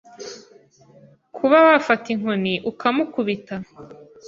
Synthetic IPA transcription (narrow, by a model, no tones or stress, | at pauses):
kʰuβaβafatiŋ̥oniʔukamukuβita